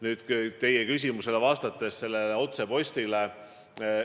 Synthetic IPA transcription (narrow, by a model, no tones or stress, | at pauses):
nyːd̪̥kt̪e̞jekys̬ʲimuse̞levɑːst̪ɑt̪ːˑe̞sse̞lːeleo̞t̪se̞po̞sʲt̪ile